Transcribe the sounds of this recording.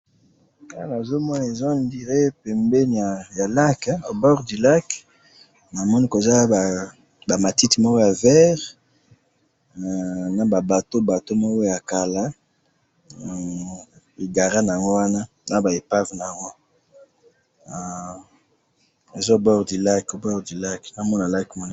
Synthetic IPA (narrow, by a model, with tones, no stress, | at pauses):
ka˦la˨zo˦mɔ˦n˨e˨zɔ˦ndi˨ʁe˦pɛ˨mbɛ˦n˨a˨ja˨la˦kbɔ˦ʁdi˨la˦k | na˨mɔ˦ni˦ko˨e˨za˦a˨ | ba˨ma˨ti˦ti˨mɔ˦ko˦ja˨vɛ˦ʁ | na˨ba˨ba˨to˦ba˨to˦mɔ˦ko˦ja˨ka˨la˦˨ | e˨ɡa˨ʁa˦na˨a˨ŋɡo˦wa˦na˦ | na˦ba˨e˨pa˦vna˨ŋɡo˦˨ | e˨zo˦˨bɔ˦ʁdi˨la˦ko˨bɔ˦ʁdi˨la˦kna˨mɔ˦na˨la˦kmɔ˦ni˦